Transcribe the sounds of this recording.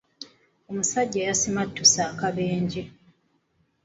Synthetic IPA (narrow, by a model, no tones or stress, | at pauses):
o̞musaɟːajasimatːusaːkaβeːɲɟe